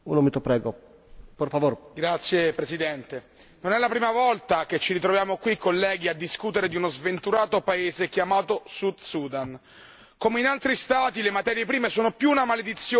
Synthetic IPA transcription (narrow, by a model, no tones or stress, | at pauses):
ṵnomit̪opɾɛːɡo | perfavoɾɡɾat̪sːjepɾesid̪ɛnt̪e | nonɛlːapɾiːmavɔlt̪aket͡ʃːiɾit̪ɾovjaːmokwikʰːolːɛːɡ̟iad̪ːiskut̪eɾed̪iunozvent̪uɾaːt̪opaeːzekjamaːt̪osud̪suːd̪an | komeinalt̪ɾist̪aːt̪ilemat̪ɛːɾjepɾiːmesoːnopjuːnamaled̪it̪sːjoː